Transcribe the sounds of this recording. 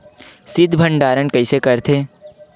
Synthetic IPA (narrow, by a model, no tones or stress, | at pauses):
sɪd̪ʱbʱə̃ɳɖaːɾənkɐisekɐɾt̪ʰeː